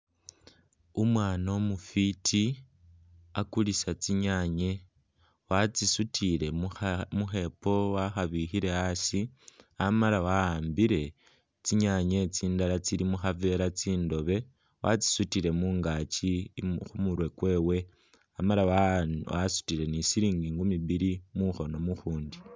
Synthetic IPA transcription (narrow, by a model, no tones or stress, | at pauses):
umwaːnomufitʰi | akulisat͡siɲaɲe̞ | wat͡sisutʰiɾe̞muxe̞po̞waxaβixiɾe̞asiamalawaaːmbiɾe̞ | t͡siɲaɲe̞t͡siːndalat͡siɾimuxave̞ːɾat͡siːndo̞βe̞ | wa̰t͡si̥sutiɾe̞muːŋɡaːt͡ʃixumuɾwe̞kwe̞ːwe̞ | amalawwasu̥tiɾe̞nisiɾiːŋɡiːŋɡumiβiɾimuxo̞no̞muxuːndi